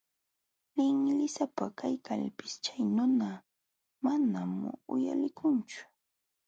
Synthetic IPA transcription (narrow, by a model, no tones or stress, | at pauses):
lɪŋlɪsapakajkʰalpɪst͡ʃajnʊna | manamʊ̰ja̰lɪkʰʊnt͡ʃʊ̥